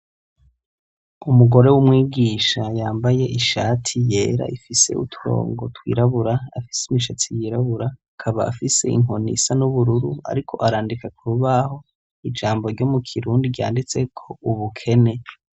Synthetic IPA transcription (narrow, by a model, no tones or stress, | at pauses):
umuɡo̞ɾe̞wumŋiːɡiːʃajaːmbaje̞ʔiʃaːtʰije̞ːɾa̰ʔifise̞̰ʔṵtʰuɾo̞̰ːŋɡo̞twḭːɾaβuɾaafi̥seimiʃatʰijiɾaβuɾaːkʰaβaːfise̞̰ḭŋ̥o̞nḭsanuβuɾuɾua̰ɾikʰo̞̰ʔaɾaːndikakʰuβaho̞ | id͡ʒaːmbo̞ɾɟo̞mukʰiɾuːndiɟa̰ːndit͡se̞kʰo̞uβukʰe̞ne̞